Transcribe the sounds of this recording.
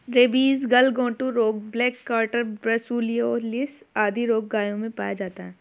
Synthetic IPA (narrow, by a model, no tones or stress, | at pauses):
ɾeːbiːzɡɐlɡõːʈũɾoːk̚blɛːkːaːɾʈəɾbɾɐsuːlijoɔːɾlɪsaːd̪ʱiɾoːɡ̚ɡaːjõmẽpa̰ːjad͡ʒaːt̪aɦɛː